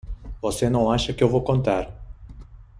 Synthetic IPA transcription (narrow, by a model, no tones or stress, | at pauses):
vosenɐ̃w̃aʃɐkɪewvowkõnt̪aɾ